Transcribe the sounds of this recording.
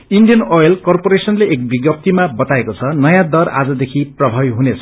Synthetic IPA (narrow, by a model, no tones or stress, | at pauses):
inɖijʌnojelkʌrpoɾesʌnleʔek̚biɡjʌp̚t̪imabʌt̪aekot͡sʰʌnʌjãd̪ʌra̰d͡zʌd̪ekʰiprʌbʱʌbjɦunet͡sʰʌ̥